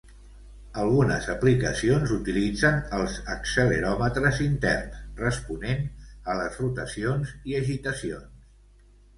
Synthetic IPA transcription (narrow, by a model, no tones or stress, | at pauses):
əlˠɣunəzəplikəsionzut̪ilid͡zənəlˠzəksələɾɔmət̪ɾəzint̪ɛ̰rt̪rəspunenələsrut̪əsionziəʒit̪əsions